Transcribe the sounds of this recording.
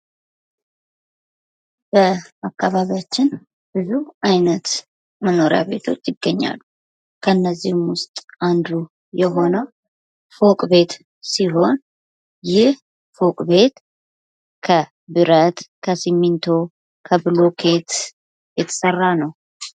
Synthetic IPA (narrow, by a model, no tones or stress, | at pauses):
b̥əakʰːaβaβjat͡ʃːɪn | b̥ɨzuʔajnət̪ | məno̞ɾja̰βe̞t̪ʰo̞̰t͡ʃːjɪɡːəɲːa̰lːu | kʰəɨnːəzːihmwʊst̪ʼand̪u | jɛɦo̞nəw | fo̞kʼbe̞t̪ | siɦo̞n | jɪh | fo̞kʼbe̞t̪ | kʰə | bɨɾət̪kʰəsimːint̪ʰo̞ | kʰəbɨlo̞kʰe̞t̪ | jɛt̪ʰə̥sərːanəw